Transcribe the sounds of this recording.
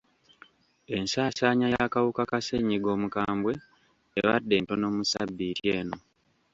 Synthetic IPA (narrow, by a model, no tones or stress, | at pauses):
e̞nsaːsaːɲajakawukakaseɲːiɡo̞ːmukaːmbwe̞ː | βadːe̞ːnto̞no̞ːmusabːitje̞ːno̞